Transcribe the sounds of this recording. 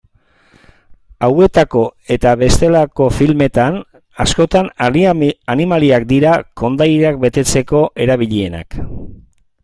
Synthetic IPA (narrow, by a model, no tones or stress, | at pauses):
awe̞t̪ako̞e̞t̪aβe̞st̪e̞lako̞filme̞t̪an | asko̞t̪an | animaliak̚d̪iɾako̞nd̪ajak̚be̞t̪e̞t͡se̞ko̞ʔe̞ɾaβiʎie̞na̰k